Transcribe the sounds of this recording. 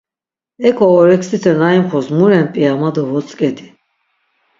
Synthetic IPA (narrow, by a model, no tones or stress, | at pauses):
ɛkʰʼɔːɾɛksit̪ʰɛnaimχɔsmuɾɛnpʼiamad̪ɔvɔt͡sʼkʼɛd̪i̥